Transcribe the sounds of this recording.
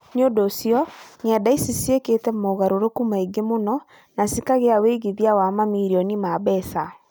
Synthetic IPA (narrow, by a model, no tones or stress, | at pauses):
ɲodosjɔɲɛdaisisieketɛmoɣaɾoɾokumaiɡemonɔ | nasikaɣeaweːɣiðiawamamiɾiɔnimaβɛsa